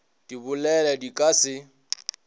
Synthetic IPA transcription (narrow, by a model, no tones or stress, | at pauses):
d̥ibʊlɛlɛdikʼasɪ